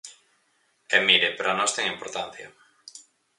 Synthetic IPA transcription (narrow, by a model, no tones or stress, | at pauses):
ɛmiɾepeɾoanɔst̪ɛŋimpoɾt̪an̟θjɐ̰